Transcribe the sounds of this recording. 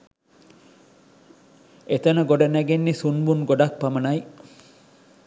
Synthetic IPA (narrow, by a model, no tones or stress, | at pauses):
et̪ɐnɐɡoɖɐnæɡenːisunbunɡoɖak̚pɐmɐnɐj